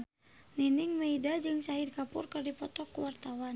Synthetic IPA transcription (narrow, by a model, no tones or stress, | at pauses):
niniŋmeidad͡ʒɨŋsaɦirkapurkardipɔt̪ɔkːuwart̪awan